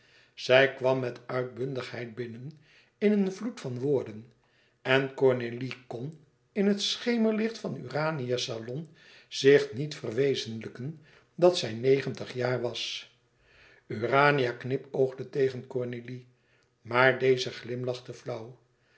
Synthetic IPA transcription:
z̥ɛjkʋɑmːɛtœɥt̚bɵndəχɦɛjt̚bɪnən | ɪnənvlutfɑnʋʊːɹdən | ɛnkɔɹnelikɔn | ɪnɦətsχejməɹlɪχtfɑny̰raːnijasalɔn | z̥ɪχnitfərʋejzənləkən | dɑtsɛjnejχəntəχjaːɹʋɑs | yraːnijaknɪpowχdətejχənkɔɹneli | maːɹdejzəχlɪmlɑχtəvlʌw

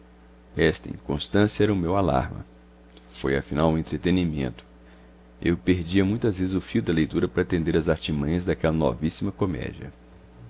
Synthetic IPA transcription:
ɛst̪ɐḭ̃kõ̰st̪ɐ̃siɐɛɾɐʊmewala̰ɾmɐ̰ | fojɐfinawũẽnt̪ɾet̪enimḛ̃nt̪ʊ̥ | ewpeɾd͡ʒiɐmũj̃t̪ɐzvezɪzʊfiwd̪ɐlejt̪uɾɐpɐɾɐat̪ẽnd̪eɾɐzaɾt͡ʃimɐ̃ɲ̃ɐzd̪akɛlɐnɔ̰visimɐkomɛ̰d͡ʒiɐ̰

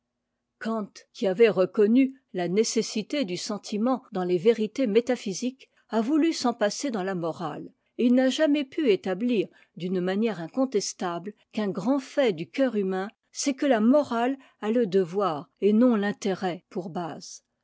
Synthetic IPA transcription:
kɑ̃t̪kʲiavɛʁəkɔny | lanesesit̪ed̪ysɑ̃t̪ʰimɑ̃d̪ɑ̃leveʁit̪emet̪afizik | avulysɑ̃pased̪ɑ̃lamɔʁa̰l | ilnaʒamɛpyet̪abliʁ | d̪ynmanjɛʁɛ̃kɔ̃t̪ɛst̪ablkɛ̃ɡʁɑ̃fɛd̪ykʲœʁymɛ̃ | sɛkəlamɔʁal | aləd̪əvwaːʁenɔ̃lɛ̃t̪eʁɛpuʁbaːz̥

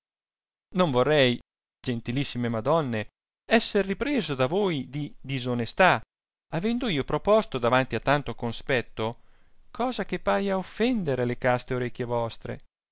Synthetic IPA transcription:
noɱvorːɛj | d͡ʒent̪ilisːimemad̪ɔnːe | ɛsːerːipɾeːzod̪avoːjd̪id̪izonest̪a | avɛnd̪oiːopɾopɔst̪od̪avant̪iat̪ːant̪okonspɛt̪ːo | kʰɔːzak̟epːaːjaofːɛnd̪eɾelekast̪eoɾekʲːjevɔst̪ɾḛ

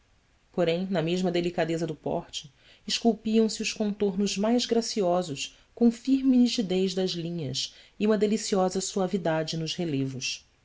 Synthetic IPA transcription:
poɾẽj̃nɐmeʒmɐd̪elikad̪ezɐd̪ʊpɔ̰χt͡ʃɪ̥ | ɪʃkuwpiɐ̃w̃sɪʊʃkõnt̪oɾnʊʒmajzɡɾasiɔzʊʃ | kõw̃fiɾminit͡ʃid̪ejzd̪ɐzlĩɲɐs | iũmɐd̪elisiɔzɐsuavid̪ad͡ʒɪnʊʃhelevʊʃ

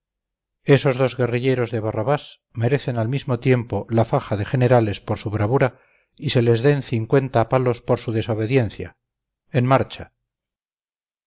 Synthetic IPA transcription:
e̞so̞zðo̞zɣe̞riʎe̞ɾo̞zðe̞β̞araβas | me̞ɾe̞θe̞nalmizmo̞t̪je̞mpo̞lafaχaðe̞χe̞ne̞ɾale̞spo̞ɾsuβ̞ɾaβuɾa | ise̞le̞zðe̞nθiŋkwe̞nt̪aːpalo̞spo̞ɾsuðe̞so̞β̞e̞ðje̞nθja̰ | enmaɾt͡ʃa

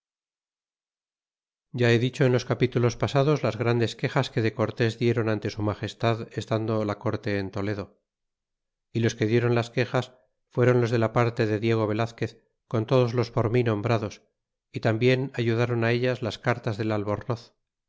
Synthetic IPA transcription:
ɟ͡ʝae̞ðit͡ʃo̞enlo̞skapit̪ulo̞spasaðo̞zlazɣɾand̪e̞ske̞xaske̞ðe̞ko̞ɾt̪e̞zðje̞ɾo̞nant̪e̞sumaχe̞st̪aðe̞st̪and̪o̞lako̞ɾt̪e̞ːnt̪o̞le̞ð̞o̞ | ilo̞ske̞ðje̞ɾo̞nlaske̞xas | fwe̞ɾo̞nlo̞zðe̞lapaɾt̪e̞ðe̞ðje̞ɣ̞o̞β̞e̞laθke̞θ | ko̞nt̪o̞ð̞o̞zlo̞spo̞ɾminõ̞mbɾaðo̞s | it̪ambje̞naʝuðaɾo̞nae̞ʎazlaskaɾt̪azðe̞lalβo̞ɾno̞θ

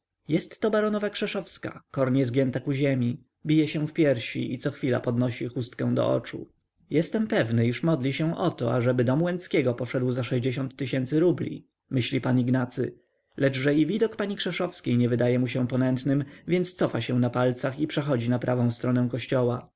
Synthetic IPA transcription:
jɛst̪ːɔbaɾɔnɔvakʂɛʂɔfska̰kɔɾɲɛzɡʲjɛnt̪akuʑemʲi | bʲijɛɕɛ̃fpʲjɛɾɕḭit̪sɔxfʲila̰pɔd̪nɔɕixust̪kɛ̃w̃d̪ɔ̰ʔɔ̰t͡ʂṵ | jɛst̪ɛmpɛvnɘiʂmɔd̪lʲiɕɛ̃ʔɔt̪ɔ̰a̰ʐɛbɘd̪ɔmwɛnt̪skʲɛɡɔpɔʂɛd̪wzaʂɛʑd͡ʑeɕɔnt̪ːɘɕɛnt̪sɘɾublʲḭ | mɘɕlʲipaniɡnat̪sɘ̰ | lɛt͡ʂʐɛivʲid̪ɔkpaɲikʂɛʂɔfskʲejɲɛvɘd̪ajɛmuɕɛpɔnɛnt̪nɘmvʲjɛnt̪st̪sɔfaɕɛ̃napalt̪saxipʂɛxɔd͡ʑinapɾʔavɔ̃w̃st̪ɾɔnɛw̃kɔɕt͡ɕɔwa

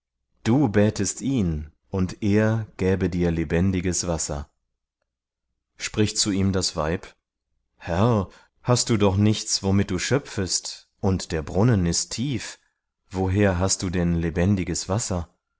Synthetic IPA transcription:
d̥uːbɛːtʰəstʔiːn | ʔʊntʔeːɐɡ̥ɛːbədiːɐlebɛndɪɡəsv̥asɐ̰ | ʃpʁ̥ɪçtt͡suiːmdasv̥a̰ɪp | hɛʁ | hast̚d̥uːdɔχnɪçt͡sv̥omɪt̚d̥uːʃœp͡fəst | ʔʊntd̥eːɐbʁʊnənɪstʰːiːf | v̥oɦeːɐɦast̚d̥uːdɛnlebɛndɪɡəsv̥asɐ

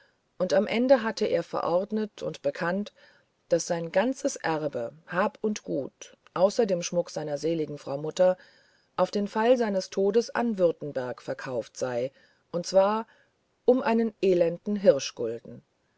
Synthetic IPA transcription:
ʔʊntamʔɛndəɦatʰəʔḛːɐfɛ̰ɐʔɔʁdnətʰʊ̰ntb̥əkʰant | d̥asz̥aɪnɡant͡səsʔɛʁbəhaːpʊntɡ̥uːt | ʔaʊsɐdeːmʃmʊkz̥aɪnɐzeːlɪɡŋ̩fʁ̥aʊmʊtɐ | ʔaʊfd̥eːnfalzaɪnəstʰoːdəsʔa̰nvʏɐtn̩bɛɐkfɛɐkʰaʊftz̥aɪ | ʔʊntt͡sv̥aːɐ | ʔʊmʔaɪnənʔeːlɛndn̩ɦɪʁʃɡ̥ʊ̰ldn̩

